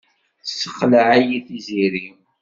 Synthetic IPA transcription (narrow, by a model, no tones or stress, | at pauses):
θsːə̥χlaʕajiθiziɾi